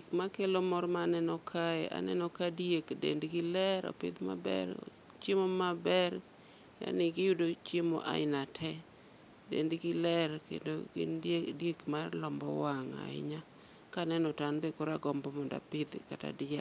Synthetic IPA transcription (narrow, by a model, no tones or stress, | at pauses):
kmakelomɔɾmanɛnɔkʰaɛ̰ʔa̰nɛ̰nɔkadjekdḛndɡɪlɛɾɔ̰pɪ̰d̪ma̰bɛ̰ɾ̰ | t͡ʃemomabɛɾ | ja̰nɪɡɪjudot͡ʃjemo̰ʔa̰ɪnatʰɛ | dḛndɡɪlɛrkḛndo̰ɡɪ̰ndjekmarlɔmbɔ̰waŋa̰ɪ̰ɲa | kanɛnɔtanbekɔɾaɡɔmbɔmɔnda̰pɪd̪kata̰dɪa